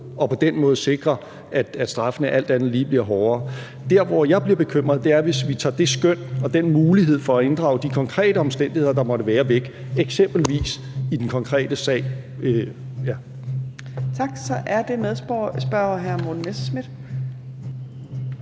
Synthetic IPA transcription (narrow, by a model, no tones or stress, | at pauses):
ɒ̽pʰɒ̽d̥enmɔ̽ːð̞̩ˠse̝ɡ̥ʁɐ | ʔæ̥æ̥sd̥ʁɑ̈fənəʔæl̰d̥ænð̩ˠliːb̥liɐɦɒːɐː | d̥æɐʋɒjɑ̈ɪb̥liɐb̥e̝kʰøm̰ʁɐð̞̩ˠd̥e̝æɐʋe̝sʋit͡sʰɑ̰̈ːd̥e̝sɡ̥øn̰ɒ̽d̥enmuːliɦe̝ð̰ˠfɒ̽æe̝nd̥ʁɑ̈ʊd̥ikʰɒ̽ŋkʰʁɛ̰ːɾ̥əɒ̽msd̥en̰d̥ihe̝ðˠɐd̥ɑ̈mɒ̽ɾəʋæːɐʋeɡ̥ | eɡ̥sem̰b̥l̩ʋḭːs | id̥enkʰɒ̽ŋkʰʁɛ̰ːd̥əsɛ̰ːɪ | jæ | t͡sʰɑ̈ɡ̥sɒ̽ʔæɐd̥e̝meðˠsb̥ɶɐɦæɐmodn̩mesəsmid̥